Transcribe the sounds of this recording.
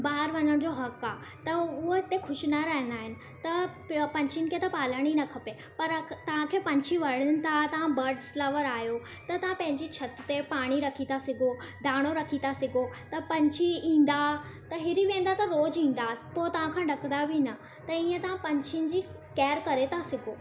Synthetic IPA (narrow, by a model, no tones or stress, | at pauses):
baːɪɾʋɐɲəɽ̃d͡ʑoɦɐkaː | t̪ɐʊɦoɪt̪exʊʃɪnɐɾɐɦə̃nd̪aːɦɪnɪ̆ | t̪ɐ | pɐ̃ɲt͡ɕʰɪnɪkʰeːt̪ɐpaːləɽ̃inɐkʰɐpe | pɐɾt̪ɐʋ̤ãkʰeːpɐ̃ɲt͡ɕʰiʋɐɽ̤ɪnɪ̆t̪ʰat̪ɐʋ̤ãbɐɾɖslɐʋəɾaːɦjo | t̪ɐt̪ɐʋ̤ãpɐ̃ɦɪ̃ɲd͡ʑit͡ɕʰɐt̪ɪ̆t̪epaːɽ̃iɾɐkʰit̪ʰasɪɡʱo | d̪ʱaːɽ̃oɾɐkʰit̪ʰasɪɡʱot̪ɐpɐ̃ɲt͡ɕʰiĩːn̆d̪at̪ɐɦɪɾiʋẽːn̆d̪at̪ɐɾoːd͡ʑĩːn̆d̪apoːt̪ɐʋ̤ãkʰãːɖɐkə̃nd̪abʱinɐ | t̪ɐiːə̃t̪ɐʋ̤ãpɐ̃ɲt͡ɕʰɪnɪ̆d͡ʑiː | kɛːɾkɐɾet̪ʰasɪɡʱoː